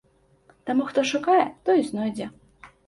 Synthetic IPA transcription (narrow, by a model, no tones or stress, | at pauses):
t̪amuxt̪ɔʂukajɛt̪ɔjznɔjd͡zʲɛ